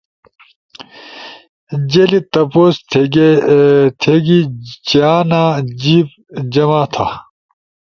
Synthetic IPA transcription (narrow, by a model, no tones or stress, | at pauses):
d͡ʑelit̪ɐpoːs | t̪ʰeɡit͡ɕaːnad͡ʑiːp̚ | d͡ʑɐmaːt̪ʰa